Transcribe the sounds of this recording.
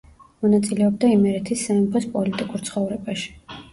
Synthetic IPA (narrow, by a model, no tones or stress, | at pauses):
mɔnat̪sʼilɛɔbd̪aimɛɾɛt̪ʰisːamɛpʰɔspʼɔlit̪ʼikʼuɾt̪sʰχɔvɾɛbaʃi̥